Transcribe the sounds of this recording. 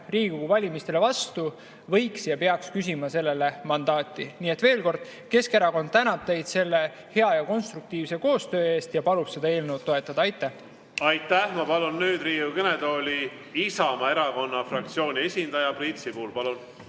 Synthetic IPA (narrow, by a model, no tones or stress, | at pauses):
riːɡ̥uɡuvɑlʲimist̪e̞le̞vɑst̪u | vɤ̞jksjɑpe̞ɑkskys̬ʲimɑse̞lːe̞le̞mɑnd̪̥ɑːt̪ˑːiniːe̞t̪ːve̞ːlko̞rd̪̥ | ke̞ske̞ɾɑko̞nd̪̚t̪ænɑpt̪e̞jd̪̥se̞lːe̞ | he̞ɑjɑko̞nst̪ɾuk̚t̪iːvse̞ko̞ːst̪ø̞ːe̞ːst̪jɑpɑlubse̞d̪ɑe̞ːlne̞wt̪ːo̞e̞t̪ːˑɑd̪ɑɑjt̪ːˑæh | ɑjt̪ˑːæhmɑpɑlunːyːd̪̥riːukened̪o̞ːlʲi | isɑmɑe̞ɾɑko̞nːɑfrɑkt̪sio̞ːnʲie̞sʲind̪ɑjɑprint̪sipuːlpɑlun